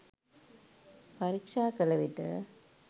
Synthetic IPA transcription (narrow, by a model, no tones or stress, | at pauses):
pɐɾikʂaːkɐlɐʋiʈɐ̰